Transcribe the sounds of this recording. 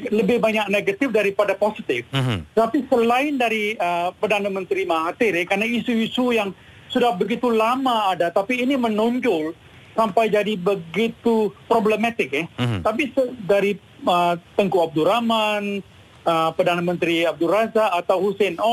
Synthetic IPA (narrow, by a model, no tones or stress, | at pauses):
ləbɪhbaɲak̚neɡat̪ɪfdaɾipadaposit̪ɪft̪ət̪apisəlaɪndaɾiəpərdanamə̃nt̪ɾimaɦat̪ɪɾɛkaɾnaisuisujaŋ | sudahbəɡit̪ulamaːdat̪apiːnimənoɲd͡ʒʊl | sampajd͡ʒadibəɡit̪upɾobləmat̪ɪk̚ɛt̪apisədaɾi | ət̪əŋkuab̚duɾaman | əpərdanamə̃nt̪ɾiab̚duɾazaʔːt̪awhusɛnɔ